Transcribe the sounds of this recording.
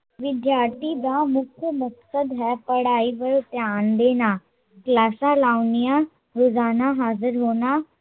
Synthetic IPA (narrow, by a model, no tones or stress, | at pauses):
ʋɪd̪jaːɾt̪id̪amʊkʰjəmɐksəd̪ɦɛpəɽaːipəɾt̪jaːnd̪eːnaː | klaːsãlaːʊnijã | ɾoːzaːnaɦaːzəɾɦoːnaː